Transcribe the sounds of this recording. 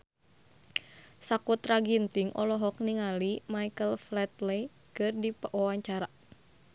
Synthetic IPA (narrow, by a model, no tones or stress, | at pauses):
sakut̪raɡint̪iŋʔɔ̰lɔɦɔk̚niŋalimajkəlflɛt̪le | kɨrdipəʔwawaɲt͡ʃaɾa